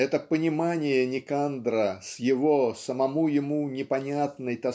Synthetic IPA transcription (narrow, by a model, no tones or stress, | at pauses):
ɛt̪əpənʲɪmanʲɪjənʲɪkand̪ɾəsjɪvosəmɐmujɪmunʲɪpɐnʲat̪nəjt̪ɐ